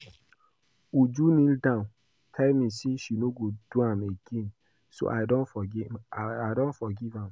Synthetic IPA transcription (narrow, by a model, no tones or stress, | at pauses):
ud͡ʒunĩldãn | kʰɛlmĩsiʃinoɡod̥uãmeɡẽn | so̰ʔadɔ̃nfɔ | adɔ̃ntfɔɡivãm